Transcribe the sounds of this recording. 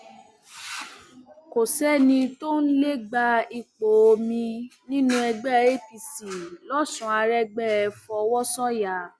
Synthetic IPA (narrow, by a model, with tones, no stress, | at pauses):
ko˨sɛ˦nĩ˧to˦n̩˦le˦ɡ͡ba˧i˨k͡po˨o˧mĩ˧nĩ˦nũ˧˦ɛ˧ɡ͡bɛ˦e˦pi˧si˨lɔ˦sũ˨˦a˧ɾɛ˦ɡ͡bɛ˦ɛ˧fɔ˧wɔ˦sɔ̃˦ja˨˦